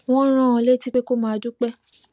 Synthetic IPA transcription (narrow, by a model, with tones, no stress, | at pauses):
w̃ɔ̃˦ɾ̃ã˦˨˦le˦ti˦k͡pe˦ko˦mãː˨˧˦a˧du˦k͡pɛ˦